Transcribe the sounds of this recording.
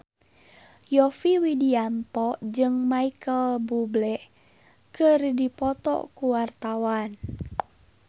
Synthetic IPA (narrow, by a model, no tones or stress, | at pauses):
jɔfiwidiant̪ɔd͡ʒɨŋmaikəlbublɛʔ | kərdipɔt̪ɔ̰kuwart̪awan